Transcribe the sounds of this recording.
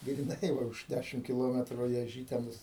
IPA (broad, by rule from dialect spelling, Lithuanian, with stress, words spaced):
ɡrʲɪˈnɐɪ ˈʋɐ ʊʃ ˈdʲæʃʲɪm kʲɪˈlˠoːmʲɛtrʊ ɪ ɐˈʒʲiːtʲɛnʊs